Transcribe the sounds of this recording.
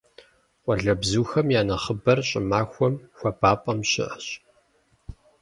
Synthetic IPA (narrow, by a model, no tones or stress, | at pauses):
qʷʼɔɮɐbzuːxɐmjaːnɐχəbɐrɕʼɪmaːxʷɔmxʷɐbaːpʼɐmɕɪ̰ʔəɕ